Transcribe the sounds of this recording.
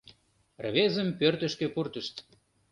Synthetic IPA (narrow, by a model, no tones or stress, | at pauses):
rβezəmpørt̪ə̆ʃkepurt̪ə̆ʃt̪